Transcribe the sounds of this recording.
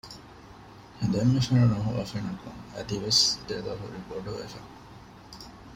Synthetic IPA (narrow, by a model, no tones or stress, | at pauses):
hed̪emːefɐnɐnɐɦuʔɐ̰fenɐkuŋɐd̪iʋesd̪eːlaːɦṵɾiboɖuʋḛfɐ